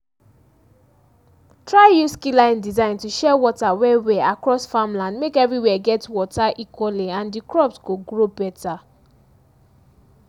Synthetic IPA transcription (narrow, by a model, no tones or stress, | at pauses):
tʰɹaɪjuskilãɪ̃ndizãɪ̃ntuʃɛwɔtawɛwɛakɹɔsfãmlãndmekɛvɹiwɛɡɛtwɔtaʔikwɔliãndikɹɔpsɡoɡɹobɛtʰa